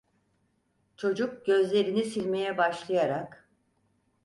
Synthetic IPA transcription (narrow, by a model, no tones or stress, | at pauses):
t͡ʃʰo̞d͡ʒuk̚ɟø̞zlʲe̞ɾinisilʲme̞jɛbaʃlˠajaɾak